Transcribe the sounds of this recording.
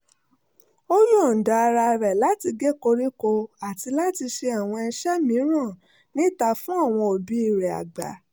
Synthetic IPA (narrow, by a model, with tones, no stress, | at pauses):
o˦ju˦ɔ˨n̩˨da˨˧ɾa˧ɾɛ˨la˨˦ti˧ɡe˦ko˧ɾi˦ko˧a˨ti˧la˦ti˧ʃe˧a˨w̃ɔ̃˧ɛ˧ʃɛ˦mĩ˨˦ɾ̃ã˦˨ | nĩ˦˨ta˧fũ˦a˦˨w̃ɔ̃˧o˨bi˨˦i˦˨ɾɛ˨a̰˨ɡ͡ba̰˨˦